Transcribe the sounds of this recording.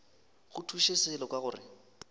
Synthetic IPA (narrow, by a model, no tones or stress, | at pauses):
ɣʊtʰuʃɪsɪlɔkʼwaɣʊːrɪ̰